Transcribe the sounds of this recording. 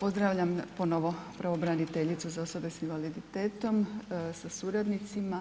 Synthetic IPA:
po̞zd̪ɾaːʋʎampo̞noʋo̞pɾaʋobɾanit̪eʎit̪suzao̞sobe̞sinʋalid̪it̪eːt̪o̞msasuːɾad̪nit̪sima

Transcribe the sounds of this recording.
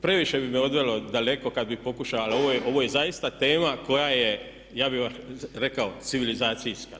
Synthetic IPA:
pɾe̞ʋiʃe̞bimeo̞d̪ʋe̞lo̞d̪ale̞ko̞kad̪̚bixpo̞kuʃaʋalaoʋojeʔo̞ʋo̞je̞zajist̪at̪e̞ːmako̞jaje̞ | jaːbiʋaɾe̞kao̞t̪siʋilizaːt̪sijska

